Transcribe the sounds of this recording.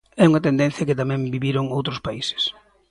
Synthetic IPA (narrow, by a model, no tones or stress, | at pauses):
ɛuŋɐt̪end̪ẽn̟θjɐket̪amɛ̃mbiβiɾoŋowt̪ɾospaise̥s